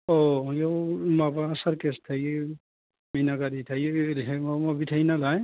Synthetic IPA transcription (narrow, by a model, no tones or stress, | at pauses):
ɔjɔwmabaːsaɾkɛstʰaj | minaɡaɾitʰajɾɦɛmɔmɔbitʰajnalaj